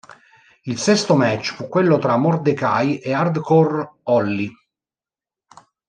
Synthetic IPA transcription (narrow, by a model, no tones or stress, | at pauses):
ilsɛst̪omɛt͡ʃːfukːwelːot̪ɾamord̪eka̰jeard̪kɔrɔlːi